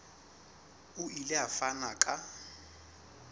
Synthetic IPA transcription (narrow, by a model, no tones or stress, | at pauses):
ʊilɪafanakʼa